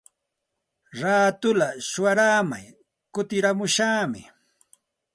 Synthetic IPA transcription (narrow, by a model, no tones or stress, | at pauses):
ɾaːt̪ʊlaʃʊwaɾaːma̰j | kʊt̪ɪɾamʊʃaːmɪ̰